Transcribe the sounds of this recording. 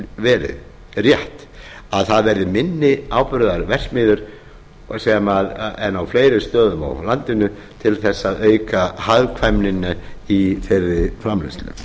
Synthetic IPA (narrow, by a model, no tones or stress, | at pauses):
vɛːɾɪ̰ð | rjɛht̪aðθaðvɛɾðɪmɪnːɪaːwpɾʏðaɾvɛr̥smɪːðʏɾ̥ | sɛmaðɛnːawfleːjɾɪst̪œːðʏma̰wlant̪ɪnʏ | t̪ʰɪlθɛsːaðœːɥkahaðkʰvajmnɪnːaiθejɾːɪfɾamlɛ̰st̪lʏ̰m